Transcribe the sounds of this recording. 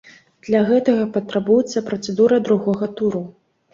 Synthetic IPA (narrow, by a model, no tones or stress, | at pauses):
d̪̥lʲɐɣɛt̪ɐɣɐpɐt̪ɾabujɛt̪sːɐpɾɐt̪sɛd̪uɾɐd̪ɾuɣɔɣɐt̪uɾu